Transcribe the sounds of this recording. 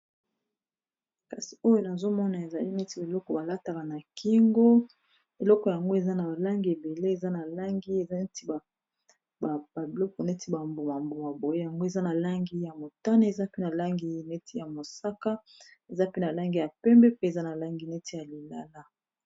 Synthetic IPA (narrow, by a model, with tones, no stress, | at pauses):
ka˨si̥˨o˦jo˦na˨zo˦mɔ˦na˨e˨za˨li˦ne˦ti˦bi˨lɔ˦kɔ˨ba˨la˦ta˨ka˨na˨ki˦ŋɡo˦ | e˨lɔ˦kɔ˨ja˨ŋɡo˦e˨za˦na˨ba˨la˦ŋɡi˨e˨be˨le˦e˨za˦na˨la˦ŋɡi˦e˨˦ti˦˨ | ba˨bi˨lɔ˦kɔ˨ne˦ti˦ba˨mbo˨ma˨mbo˨ma˨bo˨je˦ja˨ŋɡo˦e˨za˦na˨la˦ŋɡi˦ja˨mo˨ta˦na˦e˨za˦pe˦na˨la˦ŋɡi˨ne˦ti˦ja˨mo˨sa˦ka˦ | e˨za˦pe˦na˨la˦ŋɡi˨ja˨pɛ˦mbɛ˦pe˦e˨za˦na˨la˦ŋɡi˨ne˦ti˦ja˨li˨la̰˨la˦